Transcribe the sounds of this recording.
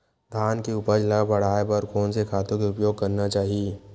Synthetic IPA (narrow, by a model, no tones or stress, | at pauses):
d̪ʱaːnkeʊpəd͡ʒlɐɡbɐɽ̤aːebɔɾkʰoːnsekʰaːt̪õkeʊpjoːɡ̚kɐɾnat͡ʃaːɦie